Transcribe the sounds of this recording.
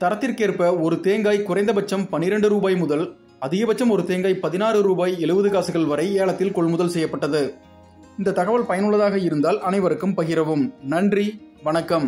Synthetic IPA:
t̪ɐɾɐt̪ːɪrkeːrpɐɔɾɯt̪eːŋɡaːjkʊrɐɪnd̪ɐbɐt͡ʃːɐmpɐnːɪɾɛɳɖɯɾuːbaːjmʊðɐl | ɐðɪɣɐbɐt͡ʃːɐmɔɾɯt̪eːŋɡaːjpɐðɪnaːɾɯɾuːbaːjɛɭɯʋɯðɯɣaːsɯɣɐɭʋɐɾɐɪeːɭɐt̪ːɪlkɔɭmʊðɐlsɛjːɐpːɐʈːɐðɯ | ɪnd̪ɐt̪ɐɣɐʋɐɭpɐjɐnɯɭːɐðaːɣɐɪɾɯnd̪aːlɐnɐɪʋɐɾɯkːɯmpɐɣɪɾɐʋɯmnɐɳdri | ʋɐnɐkːɐm

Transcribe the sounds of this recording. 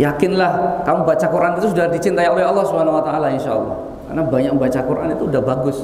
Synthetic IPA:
jakɪnlahkamubat͡ʃakuɾʔanit̪us̬udadit͡ʃint̪aiolɛɦɑlːɑhsubanawat̪aʔalainʃa̰ɑ̰lːɔ̰h | ka̰rnabaɲak̚mmbat͡ʃakuɾʔa̰nit̪uːdahbaɡʊs

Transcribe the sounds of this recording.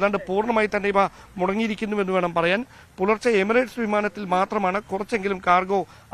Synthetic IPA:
ðaːɳɖɨpuːrɳɐmaːjit̪ːɐnːeipa | muɽɐŋːijiɾikʲːunːuʋe̞nːuʋe̞ːɳɐmpɐrɐjaːn | pulɐrt͡ɕːɐemireːʈsʋimaːnɐt̪ːilmaːt̪rɐmaːɳɨkurɐt͡ɕːe̞ŋɡilumkaːrɡo̞ː

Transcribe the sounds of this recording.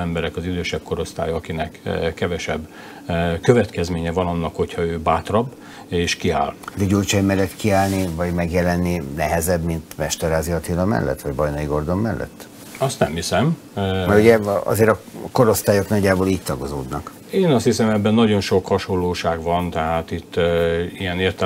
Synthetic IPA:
ɛmbɛɾɛkɒzid̪øːʃɛb̚koɾo̞st̪a̰ːjɒɒkinɛkːɛvɛʃɛbː | køvɛt̪kɛzmeːɲɛvɒnɒnːɒkho̞cʰhɒøːbaːt̪rɒb | eːʃkia̰ːldɛɟult͡ʃɛjmɛlːɛt̪kiaːlnivɒɟmɛɡjɛlɛnːinɛɦɛzɛbmint̪mɛʃt̪ɛɾaːziɒt̪ilɒmɛ̰lːɛ̰t̪ːʋɒɟbɒjnɒiɡo̞rd̪o̞mːɛlːʔɛ̰t̪ː | ɒst̪nɛ̰mhisɛm | mɛɾuɟɛɒ̰zeːɾɒko̞ɾo̞st̪aːjo̞knɒɟːaːboːliːc̚t̪ɒɡo̞zo̰ːd̪nɒk | eːnɒst̪hisɛmɛbːɛnːɒɟo̞nʃo̞khɒʃolːoːʃaːɡʋɒnt̪ɛɦaːt̪it̪ːijɛneːrt̪ɛ

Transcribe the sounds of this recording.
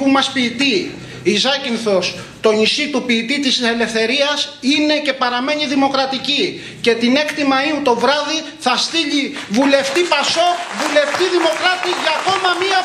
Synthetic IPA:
pumɐspiːt̪i | izɐcinθo̞s | t̪o̞nisit̪upiːt̪it̪ise̞le̞fθe̞ɾiɐsine̞ce̞pɐɾɐme̞ɲiðimo̞kɾɐt̪ici | ce̞t̪ine̞kt̪imɐiut̪o̞vɾɐði | θɐst̪iʎivule̞ft̪ipɐso̞vule̞ft̪iðimo̞kɾɐt̪iʝɐko̞mɐmiɐ

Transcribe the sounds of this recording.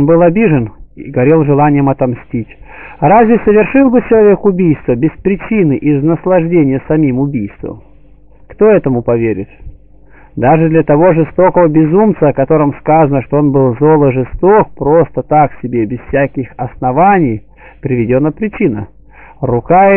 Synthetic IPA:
onbɨlˠɐbʲiʐɨniɡɐɾʲelˠʐɨlˠanʲɪjəmɐt̪ɐmsʲtʲitʲrazʲvʲɪsəvʲɪrʂɨlˠbɨt͡ɕɪlˠɐvʲe̞kʊbʲijst̪vəbʲɪspɾʲɪt͡ɕinɨʔɪznəslˠɐʐdʲenʲɪjəsɐmʲimʊbʲijst̪və̰m | kt̪o̞ɛt̪əmʊpɐvʲeɾʲɪ̰t̪ | d̪aʐɨd̪lʲət̪ɐvo̞ʐɨst̪o̞kəvəbʲɪzumt̪səɐkɐt̪o̞ɾɨmskazənəʂt̪oonbɨlˠzo̞lˠəʐɨst̪ok̚pɾo̞st̪ət̪aksʲɪbʲebʲɪz̥fsʲakʲɪxɐsnɐvanʲɪj | pɾʲɪvʲɪdʲonːəpɾʲɪt͡ɕinə̰ | rʊka

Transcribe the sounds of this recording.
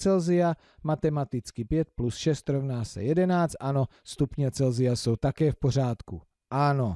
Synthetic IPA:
t͡sɛlzɪja | mat̪ɛmat̪ɪt͡skɪpjɛt̪̚plusʃɛst̪ɾovnaːsɛ̰jɛdɛnaːt͡st̪ʔano̞ | st̪upɲɛt͡sɛlzɪjaso̞wt̪akɛːfpo̞r̝aːt̪ku | ʔano̞

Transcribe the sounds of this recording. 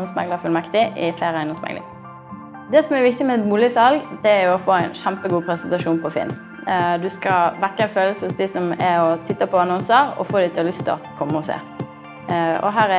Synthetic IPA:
ɔmsmɛ̰ŋləfʉlmɛkt̪ɪʔɪflæɪɾæɪnɔmsmɛ̰ŋlɪ̰ŋ | d̪ɛsɔmæɾʋɪk̚t̪ɪmɛɛmuːlɪsɑlɡd̪̥ɛæɾjʊɔfoːæɪnʃæmpəɡuːpʰɾɛsɛnt̪ɑʂuːnpʰɔfɪ̰n | d̪ʉskɑʋækːəɪnføːləsəhʊsd̪ɪsɔmæɔt̪ʰɪt̪ːɑpʰɔɑnɔnsəɾɔ̰foːd̪ɪt̪ʰɪlɔlʏst̪ʰɔ̰kʰɔmːəɔsḛː | ɔ̰ɦæːɾɛ

